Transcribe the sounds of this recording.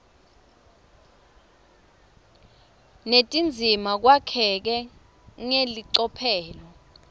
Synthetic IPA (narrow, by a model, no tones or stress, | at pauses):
netʼind͡zʱimak̬wakʰɛk̬ɛ | ŋeliǀɔpʰɛːlɔ